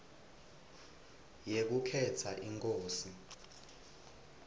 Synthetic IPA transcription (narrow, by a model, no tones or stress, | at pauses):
jek̬ukʰɛtʰaʔiŋkʼoːsi